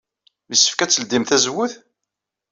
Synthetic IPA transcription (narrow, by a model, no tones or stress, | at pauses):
misːə̥fkæt͡sːəld̪imθæzwʊθ